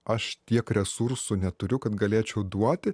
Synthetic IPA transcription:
ɐʃt̪ʲiɛkɾʲɛsuɾsʊnʲɛt̪ʊɾʲʊkɐt̪ɡɐlʲeːt͡ʃʲɛʊd̪uɔt̪ʲɪ

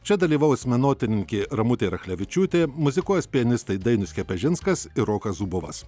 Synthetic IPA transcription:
t͡ʃʲɛd̪ɐlʲiːʋɐʊsʲmʲɛnoːt̪ʲɪnʲɪŋʲkʲɪɪɾɐmʊt̪ʲeːɾɐxʲlʲɛʋʲɪt͡ʃʲuːt̪ʲeːmʊzʲɪkuɔjsʲpʲɪɛnʲɪst̪ɐɪd̪ɐɪnʊsʲkʲɛpʲɛʒʲɪnskɐsɪɾoːkɐszubʊʋɐ̰s

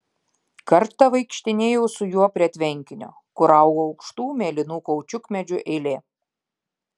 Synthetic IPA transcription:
kɐɾt̪ɐʋɐɪkʃʲt̪ʲɪnʲeːjɛʊsʊjuɔpʲɾʲiɐt̪ʲʋʲɛŋʲkʲɪnʲo̰ | kʊɾɐˑʊɡoɐʊkʃt̪uːmʲeːlʲɪnuːkɔːʊt͡ʃʲʊkmʲɛd͡ʒʲʊʔɛɪlʲeː

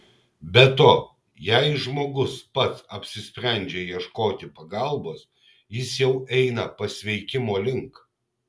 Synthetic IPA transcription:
bʲɛt̪oː | jɛɪʒmoːɡʊspɐt̪sɐpʲsʲɪsʲpʲɾʲæˑnʲd͡ʒʲeːjiɛʃkoːt̪ʲɪpɐɡɐlˠboːs | jɪsjɛʊʔɛɪnɐpɐsʲʋʲɛɪkʲɪmoːlʲɪŋk

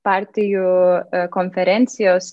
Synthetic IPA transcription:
paɾt̪ijukonfeɾent̪sios

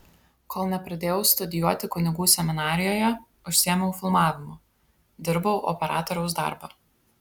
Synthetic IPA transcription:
koːlˠnʲɛpɾɐd̪ʲeːjɛʊst̪ʊd̪ʲɪjuɔt̪ʲɪkʊnʲɪɡuːsʲɛmʲɪnɑːɾʲɪjoːjɛ | ʊʃʲsʲiɛmʲɛʊfʲɪlˠmɑːʋʲɪmʊ | d̪ʲɪɾbɐʊʔɔ̰pʲɛɾɑ̰ːt̪ɔɾʲɛʊsd̪ɑ̰ɾbɐː

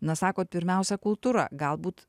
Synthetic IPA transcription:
nɐsɑːkoːt̪̚pʲɪɾʲmʲɛˑʊsʲɛkʊlˠt̪uːɾɐ̰ɡɐlˠbuːt̪

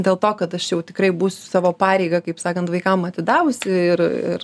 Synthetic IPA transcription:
d̪ʲeːlˠt̪oːkɐt̪ɐʃjɛʊt̪ʲɪkɾɐɪbuːsʲʊ̥sɑːʋoːpɑːɾʲɛɪɡɐkɐɪpsɑːkɐnt̪ʋɐɪkɐmɐt̪ʲɪd̪ɑːʋʊsʲɪɪrɪ̰r

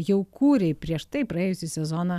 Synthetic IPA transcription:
jɛʊkuːɾʲɛɪpʲɾʲiɛʃt̪ɐɪpɾɐeːjʊsʲiːsʲɛzoːnɐ

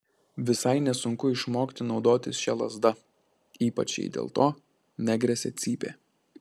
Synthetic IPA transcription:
ʋʲɪsɐɪnʲɛsʊŋkʊɪʃmoːkʲt̪ʲɪnɒʊd̪oːt̪ʲɪsʃʲɛlˠɐzd̪ɐ | iːpɐ̰t͡ʃʲjɛ̰ɪd̪ʲḛːlˠt̪oː | nʲæɡɾʲɛsʲɛt̪sʲiːpʲḛː

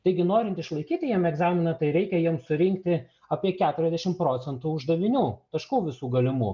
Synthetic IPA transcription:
t̪ɐɪɡʲɪnoːɾʲɪnt̪ɪʃlˠɐɪkʲiːt̪ʲɪjiɛmɛɡzɑːmʲɪnɐt̪ɐɪɾʲɛɪkʲɛjiɛmsʊɾʲɪŋkt̪ʲɪ | ɐːpʲiɛkʲæːt̪ʊɾʲɛzʲd̪ʲæʃʲɪmpɾoːt̪sʲɛnt̪uːʊʒd̪ɐʋʲɪnʲuːt̪ɐʃkuːʋʲɪsuːɡɐlʲɪmṵː

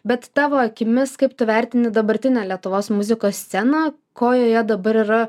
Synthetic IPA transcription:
bʲɛt̪t̪ɑːʋoːɐkʲɪmʲɪskɐɪpt̪ʊʋʲæˑɾʲt̪ʲɪnʲɪd̪ɐbɐɾʲt̪ʲɪnʲæːlʲiɛt̪ʊʋoːsmʊzʲɪkoːsʲsʲɛnɑː | koːjoːjɛd̪ɐbɐɾɪɾɐ

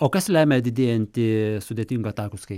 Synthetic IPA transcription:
oːkɐslʲæːmʲɛd̪ʲɪd̪ʲeːjɛnʲt̪ʲɪsʊd̪ʲeːt̪ʲiŋɡot̪ɑːkʊskɐɪ

